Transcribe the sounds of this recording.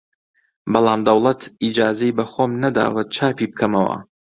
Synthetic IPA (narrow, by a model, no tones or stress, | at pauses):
bɑlˠaːmd̪ɐwlˠɐt̪ʰid͡ʒaːzɐjbɐxoːmnɐd̪a̰ːwɐt̪̚t͡ʃʰaːpiːb̚kʰɐmɐwɐ̰